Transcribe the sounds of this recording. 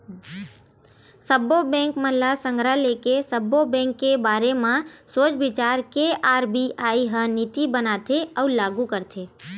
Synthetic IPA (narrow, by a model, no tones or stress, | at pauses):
səbobɛ̃ːŋkməlasə̃ŋɡɾalekesəbobɛ̃ːŋkːebaːɾemãsoːt͡ʃbɪt͡ʃaːɾkeaːɾbiʔaiɦənit̪ibənat̪ʰeəulaːɡukəɾt̪ʰe